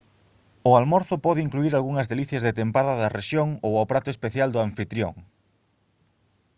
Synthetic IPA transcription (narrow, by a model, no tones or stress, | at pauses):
ʊalmɔɾθʊpɔðɪiŋkluiɾalɣuŋɐzðeliθjɐzðet̪empaðɐðɐreʃjoŋowawpɾat̪ʊespeθjald̪ʊaɱfit̪ɾjo̰ŋ